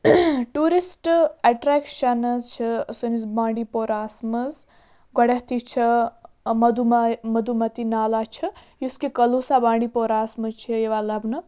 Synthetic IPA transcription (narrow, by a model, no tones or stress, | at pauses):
ʈuːɾisʈaʈɾeːkʃɐnɐzt͡ʃʰisɐnizbãːɳɖipoːɾaːsmɐz | ɡɔɽeɦt̪it͡ʃʰi | mɐd̪ummɐd̪umɐt̪inaːlat͡ʃʰijuskekɐlusabãːɳɖipoːɾaːsmɐzt͡ʃʰijeʋalɐbnɨ